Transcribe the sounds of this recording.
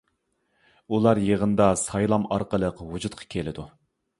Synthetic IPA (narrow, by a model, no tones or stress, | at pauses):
ulˠɑɾjeʁənd̪ɑsɑjlˠɑmɑɾqəlˠəqwud͡ʒut̪̚qʰɑ̥kʲʰelɪd̪u